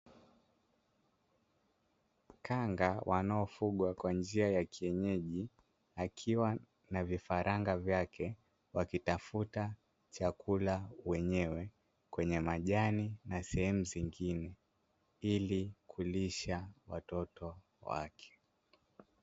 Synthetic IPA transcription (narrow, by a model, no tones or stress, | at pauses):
kʰaŋɡawʔanaɔfuɠwakwand͡ʒiajakʰiɛɲɛʄi | akʰiwa | navifaɾaŋɡavjakɛ | wakitafuta | t͡ʃakulawɛɲɛwɛ | kwɛɲɛmaʄaninasɛhɛmuziŋɡinɛ | ilikʰuliʃawa̰tɔtɔ | wa̰kʰɛ̥